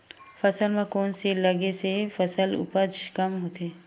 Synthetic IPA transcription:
fɐsəlmẽkoːnselɐɡesefəsəlʊ̰pəd͡ʒʃkɐmɦoːt̪eː

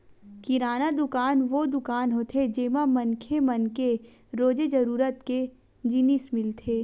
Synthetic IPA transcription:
kɪɾaːnad̪ʊkaːnʋod̪ʊkaːnɦot̪ʰed͡ʒeːmamɐ̃nkʰemɐnke | ɾoːd͡ʒed͡ʒɐɾuːɾət̪ke | d͡ʒinɪsmɪlt̪ʰeː

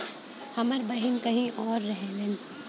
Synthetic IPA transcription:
hɐməɾbɐɦɪnkɐɦĩʔɔːɾːɛɦɛlẽn

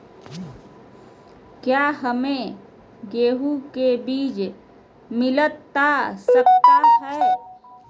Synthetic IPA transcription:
kjaːɦəmẽ | ɡeːɦukebiːt͡ʃ | mɪlət̪ːasək̚t̪aɦɛː

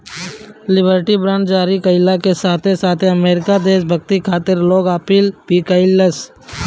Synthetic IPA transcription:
lɪbəɾʈibɾãɳɖd͡ʒaːɾikɐɪlakesaːt̪ʰesaːt̪ʰeɐmeːɾɪkad̪eːʃbʱɐɡ̚t̪ikʰaːt̪ɪɾloːɡaːpɪlpiːkəɪlːəs

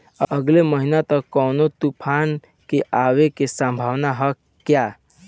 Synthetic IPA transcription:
əɡleməɦinat̪əkɔːnot̪upʰan | keʔawekesə̃mbʱaːwnaɦə | kja

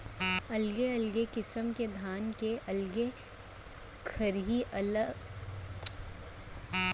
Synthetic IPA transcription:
ɐlɡeɐlɡekɪsəmked̪ʱaːnkeʔɐlɡe | kʰɐɾɦiʔɐl

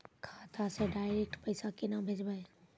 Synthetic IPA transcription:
kʰaːt̪ʰaseɖaːɪɾek̚ʈpəɪsakɪnabʱeːd͡ʒbae

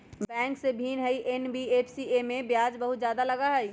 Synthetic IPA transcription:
bɛ̃ːŋksebʱiːnɦəiʔenbiepʰsiemẽbjaːd͡ʒbəɦut̪̚d͡ʒjaːd̪aləɡaɦəi

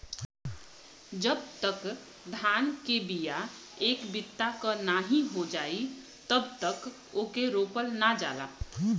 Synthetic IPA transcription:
d͡ʒəb̚t̪ək | d̪ʱaːnkebija | eːkbɪt̪ːakənaɦĩɦod͡ʒaːi | t̪əbt̪ək | oːkeɾoːpəlnad͡ʒa̰ːla̰ː

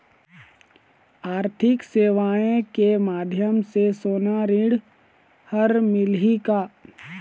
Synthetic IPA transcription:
aːɾt̪ʰɪkseːʋaːẽkemaːd̪ʱjəmsesoːnaɾiɽ | həɾmɪlɦikaː

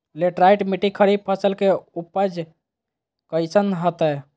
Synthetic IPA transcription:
leʈɾajʈmiʈikʰəɾib̚pʰəsəlkeupːəd͡ʒ | kəjsənɦət̪ə

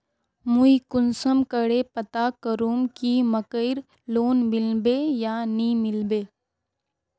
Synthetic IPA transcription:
muikʊnsəmkəɽepət̪akəɾuːmkiməkəɪɾ | loːnmɪlbeːjaniːmɪlbeː

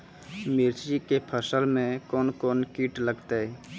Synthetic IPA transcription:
mɪɾikepʰəsəlmẽkɔːnkɔːnkiːʈləɡt̪aɦɛː

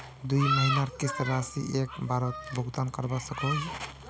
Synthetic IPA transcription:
d̪ujməɦinaɾkisɾasḭʔek̚baɾət̪̚bʱuɡt̪ankəɾbɔsəkod͡ʒ

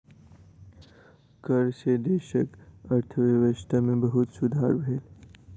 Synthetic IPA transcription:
kəɾsed̪eːʃəkɐɾt̪ʰəʋeʋəʃʈ̪amẽbəɦut̪sʊd̪ʱaːɾbʱeːl

